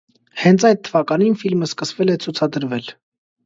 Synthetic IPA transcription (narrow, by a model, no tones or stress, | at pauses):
hɛnt͡sʰɑjt̪̚t̪ʰːəvɑkɑninfilməskəsvɛlɛt͡sʰut͡sʰɑd̪əɾvɛl